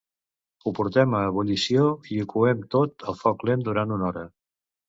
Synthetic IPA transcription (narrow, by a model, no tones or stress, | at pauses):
upuɾt̪ɛməːβ̞ulisioiukuɛmt̪ot̪əlˠfɔklend̪uɾant̪unɔɾə